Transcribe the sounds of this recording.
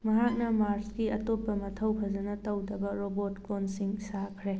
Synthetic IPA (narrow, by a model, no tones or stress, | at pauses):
mɐɦak̚nɐmaɾskiɐtopːɐmɐtʰɐwpʰɐzɐnɐtɐwdɐbɐɾobotklonsiŋsakʰɾe